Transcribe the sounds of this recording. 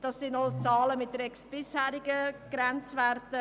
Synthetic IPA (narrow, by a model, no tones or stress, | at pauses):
d̥ɑsːɪndɔlt͡sɑːləmɪt̚dəɾɛksb̥ɪshæːɾɪɡəɡ̥ɾɛnt͡svɛɾtə